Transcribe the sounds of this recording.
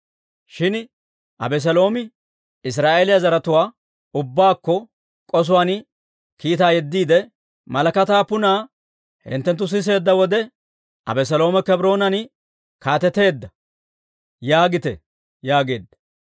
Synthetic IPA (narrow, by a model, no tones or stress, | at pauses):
ʃɪn | ʔɐ̰bɛs̬ɐlo̞ːmɪ | ɪs̬ɾaːʔeːlɪjazɐɾɐt̪ʊwaː | ʊbːaːkːɔ | kʼɔs̬ʊwaːn | kiːt̪aːjɛd̪ːiːd̪ɛ | mɐlɐkɐt̪aːpːʊnaː | hɪ̰nt̪ːɛnt̪ːʊs̬ɪs̬e̞ːd̪ːɐwɔd̪ɛ | ʔɐ̰bɛs̬ɐlo̞ːmɛkɛbɾo̞ːnɐnɪ | kaːt̪ɛt̪e̞ːd̪ːɐ | jaːɡɪt̪ɛ̰ | jaːɡe̞ːd̪ːɐ̥